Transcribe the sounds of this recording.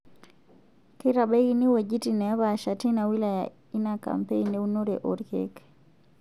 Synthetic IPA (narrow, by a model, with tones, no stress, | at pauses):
kɪ˦ɾa˨be˦ɡi˦ni˦we˨d͡ʒi˦ti˨nɛ˨a˦βa˨ʃa˨ti˦na˨wi˦la˨ja | i˦na˨ka̰˨mpe˦i˦nːe˦u˦no˦ɾe˨ʔo˨ɾkḛk